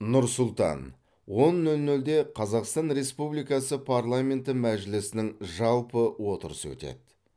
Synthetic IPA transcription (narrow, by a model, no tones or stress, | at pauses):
nʊɾsʊlˠt̪ɑ̰n | wo̞nːɵlnɵld̪e̞qʰɑzɑqst̪ɑnɾe̞spublˠijkɑsəpʰarlˠamʲe̞nt̪ɪmæʒɪlɪsɪnɪŋʒɑlˠpəwo̞t̪əɾəsəwɵ̰t̪ḛd̪̥